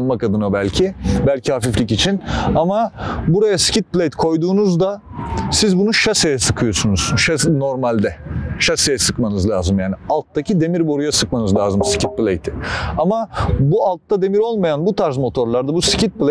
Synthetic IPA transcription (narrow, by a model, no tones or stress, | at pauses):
nmakad̪ɯnabælʲcʰibælʲcʰihafiflʲicit͡ʃʰinamabuɾajasi̥cʰit̪̚plʲejt̪kʰo̞jd̪uːnuzd̪a | sizbunuʃasejɛsɯkʰɯjo̞sunuz̥ʃano̞ɾmalʲd̪ɛʃasejɛsɯkmanɯzlʲˠaːzɯmjaːnialˠt̪d̪acʰid̪e̞miɾbo̞ɾujasɯk̚manɯzlʲaːzɯmsi̥cʰit̪̚plʲejt̪ʰɪamabualˠt̪ːad̪e̞miɾo̞lˠmajanbut̪ʰaɾzmo̞t̪ʰo̞ɾlˠaɾd̪abusi̥cʰit̪̚plʲe